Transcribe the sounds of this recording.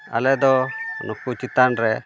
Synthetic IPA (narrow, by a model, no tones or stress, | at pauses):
a̰lɛd̪ɔnɔkut͡ʃit̪anɾɛ